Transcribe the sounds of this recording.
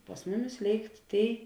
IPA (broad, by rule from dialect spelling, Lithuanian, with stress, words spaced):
pɐs ˈmʊˌmʲɪs ˈlʲeːɪkt ˈtʲeːɪ